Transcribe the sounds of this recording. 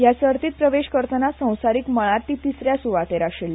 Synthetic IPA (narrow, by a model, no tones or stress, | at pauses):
jasəɾt̪iːt̪̚pɾəʋeɕkəɾt̪ənasə̃w̃saɾiːkməɭaɾt̪ːit̪isɾjasuʋat̪eɾaɕelːi